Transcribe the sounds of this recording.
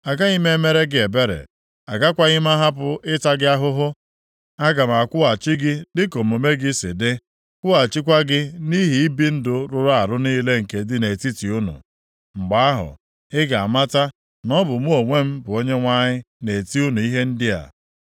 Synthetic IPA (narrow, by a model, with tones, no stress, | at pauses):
a˨ɡa˦i˦me˦me˦ɾe˦ɡɪ˦e˨be˦ɾḛ˨ | a̰˨ɡa˦kʷa˦ɣɪ˦m˦a˦ɦa˦p̬ʊ˦ʔɪ˦ta˦ɡɪ˦a˦ɦʊ˦ɦʊ˦ | a˦ɡa˨m̩˨a˨kʷʊ˦a˨t͡ʃi˦ɡɪ˦dɪ˦ko˨m̩˨o˨me˦ɡɪ˦sɪ̰˨dɪ˦ | kʷʊ˦a˨t͡ʃi˦kʷa˦ɡɪ˦ni˦ɦi˨i˦bi˦n̩˦dʊ˨ɾʊ˨ɾa˨ɾʊ˦niː˦le˦ŋ̩˨ke˨dɪ˦ne˨ti˦ti˨ʊ˦nʊ̰˨ | ŋ͡m̩˨ɡ͡ba˨a˦ɦʊ̰˨ | ɪ˦ɡa˨a̰˨ma˦ta˦ | nɔ˦bʊ˨mu˦o˨ŋʷe˦m̩˦bʊ˨o˦ɲe˦ŋʷa˦ɲɪ˦ | ne˨ti˦u˦nu˨i˦ɦe˦n̩˦dɪ˦a̰˨